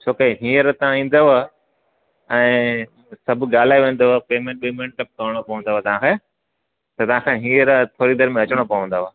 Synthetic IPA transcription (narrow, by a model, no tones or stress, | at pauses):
t͡ɕʰoːkeɦĩːəɾt̪ɐãĩːn̆d̪o | ɛ̃ː | sɐbʱʊɠaːl̤aːiʋẽːn̆d̪oɦpeːmẽːɳʈ̚ɓɪmeʈkɐp̚kɐɽ̃opɐʋə̃nd̪oʋt̪ɐʋãkʰeː | t̪ɐt̪ɐʋ̤ãːkʰeːɦĩːəɾt̪ʰoːɾid̪ɐɾmẽɐt͡ɕəɽ̃opɐʋə̃n̆d̪oːʋo